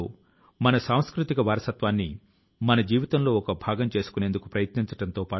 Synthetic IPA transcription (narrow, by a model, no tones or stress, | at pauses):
oː | mɐnɐsaːw̃skɾut̪ikɐʋaːɾɐsɐt̪ʋaːnːi | mɐnɐd͡ʒiːʋit̪ɐmlo̞ːɔkɐbʱaːɡɐmt͡ʃe̞ːsu̥kunend̪ukupɾɐjɐt̪niɲt͡ʃɐ̥ʈɐnt̪o̞ːpaː